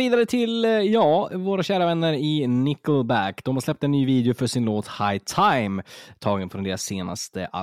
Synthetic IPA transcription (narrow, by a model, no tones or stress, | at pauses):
iːd̪aɾət̪ʰɪljɑːvoːɾaɕæːɾavɛnːəɾɪnɪkəlbækd̪̥ɔmhaɾʂlɛp̚t̪ɛnːyːviːd̪ɪʊfœʂɪnloːt̪haɪt̪ʰajmt̪ʰɑːɡənfɾɔnd̪eːɾaseːna̰st̪ə̰ʔa̰